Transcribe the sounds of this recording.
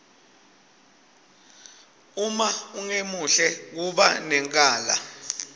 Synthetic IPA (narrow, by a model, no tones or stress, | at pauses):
umauŋemuɬɛk̬uɓanɛŋkʼaːla̰